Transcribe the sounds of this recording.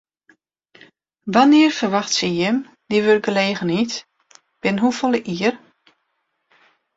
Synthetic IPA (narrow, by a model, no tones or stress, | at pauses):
ʋanɪərfərʋaxtsəjɪm | d̥iʋørɡəleːɣənit | b̥ɪnɦufolˠəʔiər